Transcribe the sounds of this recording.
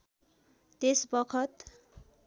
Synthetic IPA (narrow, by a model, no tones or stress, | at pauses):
t̪esbʌkʰʌt̪